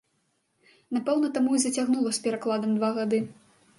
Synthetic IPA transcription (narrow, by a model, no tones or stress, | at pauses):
napɛwnɐt̪amuizɐt͡sʲaɣnulˠɐspʲɛɾaklˠad̪ɐmd̪vaɣad̪ɨ